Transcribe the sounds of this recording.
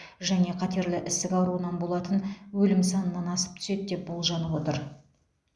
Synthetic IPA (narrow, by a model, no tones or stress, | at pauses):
ʒæne̞qʰɑt̪e̞ɾlɪʔɪst̪ɪkʲɑwɾuənɑnbo̞lˠɑt̪ənwɵlɪmsɑnənːɑnɑsə̥p̚t̪ʰʏ̥se̞d̪d̪e̞p̚bolˠʒɑnəpwo̞t̪əɾ